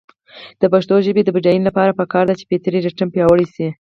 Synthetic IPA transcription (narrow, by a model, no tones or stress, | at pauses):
d̪̥əpaʂt̪oʒəbed̪əbid͡ʒajinlapɑɾapəkɑɾd̪at͡ʃe̥pet̪əɾiɾaʈəmpjɑwəɽisi